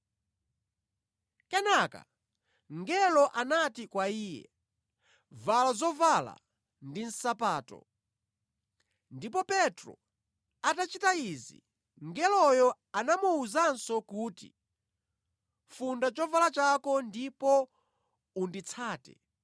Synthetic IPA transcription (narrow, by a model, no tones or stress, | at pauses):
kɛnaka̰ | ŋɡɛlɔʔanatikwaiːjɛ̰ | valazɔvala̰ | ndin̩sapaːtɔ̰ | ndipɔpɛtɾɔ̰ | atat͡ʃitaizḭ | ŋɡɛlɔjɔ | anamuuzansɔkuːtḭ | fundat͡ʃɔvalat͡ʃakɔndipɔ | undit͡sʰaːtɛ̰